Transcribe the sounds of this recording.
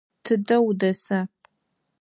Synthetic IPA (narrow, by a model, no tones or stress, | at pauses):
tʰɨdɐwdɐsɐ